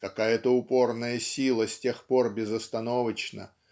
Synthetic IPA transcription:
kɐkajət̪əʊpo̞rnəjəsʲilˠəsʲtʲe̞xpo̞rbʲɪzəst̪ɐno̞vət͡ɕnə̰

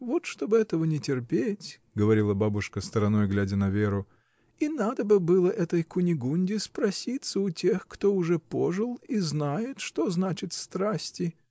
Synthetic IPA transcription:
vo̞t̪ʂt̪o̞bɨɛt̪əvənʲɪtʲɪrpʲetʲ | ɡəvɐɾʲilˠəbabʊʂkəst̪əɾɐno̞jɡlʲædʲənɐvʲeɾʊ | inad̪əbɨbɨlˠəʔɛt̪əjkʊnʲɪɡunʲdʲɪspɾɐsʲit̪səʊtʲe̞xkt̪o̞ʊʐɛpo̞ʐɨlˠiznajɪt̪ʂt̪o̞znat͡ɕɪt̪st̪ɾasʲtʲɪ

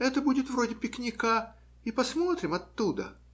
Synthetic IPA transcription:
ɛt̪əbudʲɪt̪vɾo̞dʲɪpʲɪknʲɪka | ipɐsmo̞t̪ɾʲɪmɐt̪ːud̪ə̰

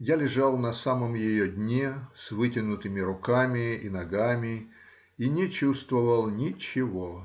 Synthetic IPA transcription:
jalʲɪʐalˠnɐsaməmjɪjodʲnʲesvɨtʲɪnʊt̪ɨmʲɪɾʊkamʲɪinɐɡamʲɪ | inʲɪt͡ɕust̪vəvəlˠnʲɪt͡ɕɪvo

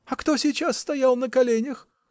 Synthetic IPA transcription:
ɐkt̪o̞sʲɪt͡ɕasːt̪ɐjalˠnəkɐlʲenʲəx

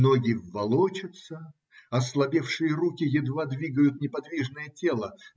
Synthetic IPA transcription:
noɡʲɪvːɐlˠot͡ɕət̪sə | ɐslˠɐbʲefʂɨjəɾukʲɪjɪd̪vad̪vʲiɡəjʊt̪nʲɪpɐd̪vʲiʐnəjətʲe̞lˠə

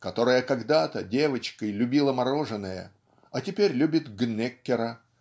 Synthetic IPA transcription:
kɐt̪o̞ɾəjəkɐɡd̪at̪ədʲe̞vət͡ɕkəjlʲʉbʲilˠəmɐɾo̞ʐɨnːəjə̰ | ɐtʲɪpʲeɾʲlʲʉbʲɪt̪ɡnʲekʲːɪɾə

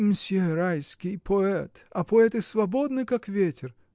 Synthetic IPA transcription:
msʲɪɾajskʲɪjpʰɔɛt̪ɐpɔɛt̪ɨsvɐbod̪nɨkakvʲetʲʰɪr

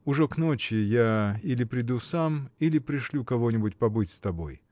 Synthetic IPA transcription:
ʊʐɛknot͡ɕɪjailʲɪpɾʲɪd̪usamilʲɪpɾʲɪʂlʲukɐvo̞nʲɪbʊtʲpɐbɨtʲst̪ɐbo̰j

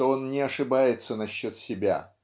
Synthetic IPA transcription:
oo̞nnʲɪɐʂɨbajɪt̪sənɐɕːo̞t̪sʲɪbʲa̰

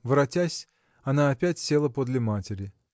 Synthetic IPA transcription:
vɨɾɐtʲasʲ | ɐnaːpʲætʲsʲe̞lˠəpod̪lʲɪmatʲɪɾʲɪ

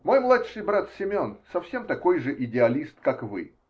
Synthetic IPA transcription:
mo̞jmlˠatʂɨjbɾat̪sʲɪmʲo̞nsɐfsʲe̞mt̪ɐko̞jʐɨʔɪdʲɪɐlʲist̪kakvɨ̰

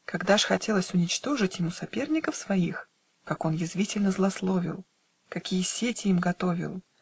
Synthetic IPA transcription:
kɐɡd̪aʂxɐtʲe̞lˠəsʲʊnʲɪt͡ɕt̪o̞ʐɨtʲjɪmusɐpʲe̞rnʲɪkəfsvɐix | kako̞njɪzvʲitʲɪlʲnəzlˠɐslˠo̞vʲɪ̰lˠ | kɐkʲijəsʲetʲɪimɡɐt̪o̞vʲɪ̰lˠ

